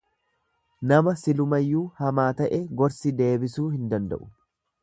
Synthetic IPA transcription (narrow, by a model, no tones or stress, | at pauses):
nɐmɐsɪlʊmɐjːuːhɐmaːt̪ɐʔɛɡɔɾsɪd̪e̞ːbɪsuːhɪnd̪ɐnd̪ɐ̰ʔʊ̥